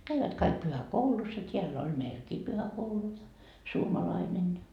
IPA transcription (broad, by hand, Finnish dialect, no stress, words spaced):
kæiʋæt kɑik pyhækoulus jɑ tʲiælː on næilkiː pyhækoulu suomɑlɑinen